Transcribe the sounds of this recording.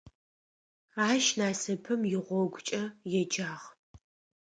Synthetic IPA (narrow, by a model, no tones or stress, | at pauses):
aːʃnaːsɐpʰɨmjɪʁʷɔɡʷt͡ʃʼɐjɛd͡ʒaːʁ